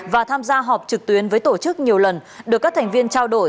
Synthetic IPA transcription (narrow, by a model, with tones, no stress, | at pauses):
vaː˨˩t̪ʰaː˧mzaː˧ɦɔ˨˩p̚t͡ɕɨ˨˩k̚t̪wi˨˦ənvəː˨˦jt̪o˧˩t͡ɕɨ˦˥k̚ɲi˨˩əwlə˨˩nɗɨ˨˩əkːaː˦˥t̪ʰɛ˨˩ŋ̟vi˧ənt͡ɕaː˧wɗo˧˩j